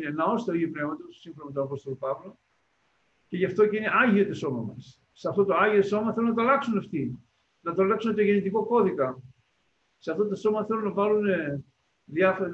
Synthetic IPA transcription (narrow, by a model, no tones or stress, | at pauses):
nenɐo̞st̪eoʝipne̞vmɐt̪ossiɱfonomet̪onɐpo̞st̪olopɐvlo | ce̞ʝɐft̪o̞ceine̞ʔɐʝio̞t̪oso̞mɐmɐ̰sː | eɐft̪o̞t̪oɐʝioso̞mɐθe̞lunɐt̪oɐlɐksuneft̪i | nɐt̪oɐlɐksunet̪oʝe̞nit̪iko̞ko̞ðikɐ | seɐft̪ot̪oso̞mɐθe̞lunɐvɐlune | ðiɐfoɾ